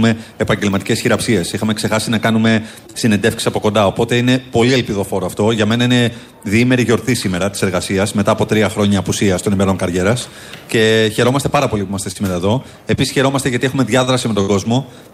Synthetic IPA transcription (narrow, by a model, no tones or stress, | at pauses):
me̞ːpɐɲɟelmɐt̪ice̞sçiɾɐpsie̞sixɐmekse̞xɐsinɐkɐnume̞ | sinend̪e̞fksi̥sɐpo̞ko̞nd̪ɐo̞po̞t̪e̞ine̞po̞lielpiðo̞fo̞ɾoɐft̪o̞ʝɐme̞nɐine̞ | ðiime̞ɾiʝo̞ɾθisime̞ɾɐt̪ise̞ɾɣɐsiɐzme̞t̪ɐːpo̞t̪ɾiɐxɾo̞ɲɐːpusiɐst̪onimeɾo̞ŋkɐɾʝe̞ɾɐs | ce̞çe̞ɾo̞mɐst̪e̞pɐɾɐpo̞lipumɐst̪esime̞ɾɐeðo̞ | e̞pisisçe̞ɾo̞mɐst̪eʝɐt̪ie̞xume̞ðʝɐðɾɐsime̞t̪o̞ɡo̞zmo̞